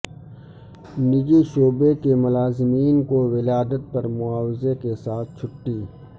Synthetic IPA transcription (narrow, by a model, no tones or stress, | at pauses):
nɪd͡ʒiʃoːbekemʊlaːzɪmiːnkowɪlaːd̪ət̪̚pɐɾmʊaːwɪzekesaːt̪̚ʰt͡ʃʰʊʈːiː